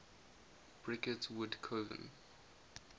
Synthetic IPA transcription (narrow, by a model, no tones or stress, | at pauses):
b̥ɹɪkətwʊdkʰovə̰̃n